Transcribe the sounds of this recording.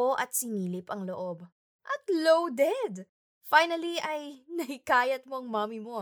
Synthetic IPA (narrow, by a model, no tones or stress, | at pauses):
oʔɐt̪̚sɪniːlɪpɐŋlo̞ʔo̞b | ʔɐt̪̚lowd̪ɛd̪ | fajnɐliʔɐjnɐhɪkaːjɐt̪̚mo̞ʔɐŋmaːmɪmo̞